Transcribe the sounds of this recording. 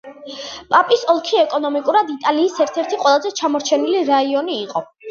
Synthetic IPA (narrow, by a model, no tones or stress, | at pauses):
pʼapʼisɔlˠkʰiɛkʼɔnɔmikʼuɾad̪it̪ʼaliːsɛɾt̪ʰɛɾt̪ʰiqʼwɛlˠazɛt͡ʃʰamɔɾt͡ʃʰɛniliɾaiɔniːqʼɔ